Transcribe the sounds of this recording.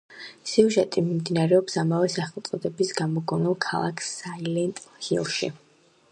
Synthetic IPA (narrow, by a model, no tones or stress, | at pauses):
siuʒɛt̪ʼimimd̪inaɾɛɔpsamavɛsaχɛlˠt̪sʼɔd̪ɛbisɡamɔɡɔnɛlˠkʰa̰lˠa̰kʰsailɛnt̪ʼhilˠʃḭ